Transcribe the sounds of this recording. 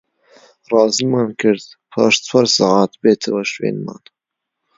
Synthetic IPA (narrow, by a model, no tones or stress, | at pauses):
rɑːzimɑːnkʰɨɾd̪ | pʰɑ̰ːʃt͡sʰwɐɾsɑʕɑːt̪beːt̪ʰɐwɐʃwḛːnmɑ̰ːn